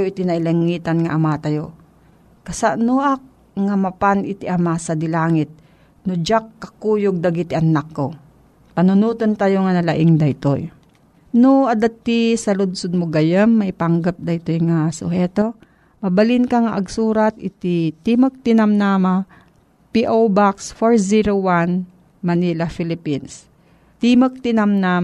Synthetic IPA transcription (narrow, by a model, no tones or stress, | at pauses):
joʔɪt̪inɐʔɪlɐŋːiːt̪anŋaʔamat̪ajo | kɐsaʔnoʔak̚ | ŋamapanʔɪt̪iʔamasɐd̪ɪlaːŋɪt̪̚ | nʊd͡ʒakːɐkuːjoɡ̚d̪aɡit̪ɪʔɐnakːo | pɐnʊnuːt̪ont̪ajoŋanɐlaʔɪŋd̪ɐit̪o̰j | noʔɐd̪at̪ːisɐlʊd̪sʊd̪̚mʊɡɐjɐmːɐʔɪpɐŋɡɐp̚d̪ɐjt̪ojŋasʊ̰hɛːt̪o̞ | mɐbɐlɪnkɐŋaʔɐɡsuːɾɐt̪ʔɪt̪it̪imək̚t̪ɪnɐmnaːma | piʔowbaksfoɹziɾowan | mɐnilɐfɪlɪpins | t̪imɐk̚t̪ɪnɐmnaːm